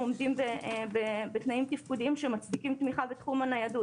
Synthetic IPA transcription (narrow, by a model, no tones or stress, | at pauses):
omdimbebebet̪naimt̪ifkudiimʃe̞mat͡sdikimt̪miχabet̪χumanajadu